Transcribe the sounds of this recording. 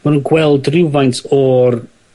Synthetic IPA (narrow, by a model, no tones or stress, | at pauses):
manuːnɡwɛlˠdrɪwvajntʰɔr